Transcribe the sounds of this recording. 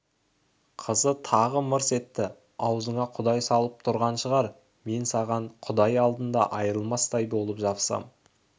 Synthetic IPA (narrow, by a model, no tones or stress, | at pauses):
qʰəzət̪ʰɑʁəməɾse̞t̪ːɪ | ɑwzəɴɑqʰʊd̪ɑjsɑlˠəp̚t̪ʰʊɾʁɑnʃəʁɑɾ | me̞nsɑʁɑɴqʰʊd̪ɑjɑlˠd̪ənd̪ɑ̰ʔɑjɾəlˠmɑst̪ɑjbo̞lˠəpʒɑpsɑ̰m